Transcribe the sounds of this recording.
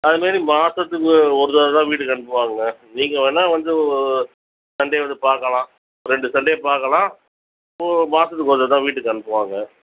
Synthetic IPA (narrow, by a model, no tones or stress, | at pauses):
ɐðɯmaːɾimaːsɐt̪ːɯkːɯɔɾɯðaːt̪ãːʋiːʈ̬ːɯkːɐɳɯpːɯʋaːŋɡɐniːŋɡɐʋeːnːaːʋɐnd̪ɯɔɯ | sɐɳɖeʋɐnd̪ɯpaːɾkɐlãː | ɔɾɛɳɖɯsɐɳɖepaːɾkɐɭãː | omaːsɐt̪̬ːɯkːɔɾðɐːt̪ãːʋiːʈːɯkːɐɳɯpːɯʋaːŋɡɐ